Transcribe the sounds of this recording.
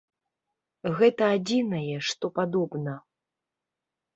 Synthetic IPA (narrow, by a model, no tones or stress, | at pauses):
ɣɛt̪ɐad͡zʲinɐjɛʂt̪ɔpad̪ɔbnɐ